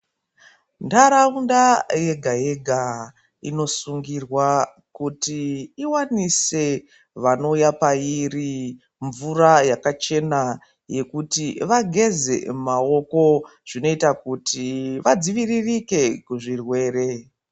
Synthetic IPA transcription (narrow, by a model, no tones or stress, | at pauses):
ndaɾaundaje̞ɡʱaje̞ɡʱa | ḭno̞suŋɡirwa | kutiːwanise̞ | ʋano̞ujapairi | ɱvurajakat͡ʃe̞na | je̞kutiʋaɡʱe̞ze̞̰mao̞ko̞ʐ̥ino̞itakutiʋad͡ziʋiririke̞kuʐirwe̞ːɾe̞